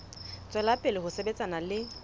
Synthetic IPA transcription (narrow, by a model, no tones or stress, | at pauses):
t͡sʼwɛlapʼɪlɪhʊsebet͡sʼanalɪ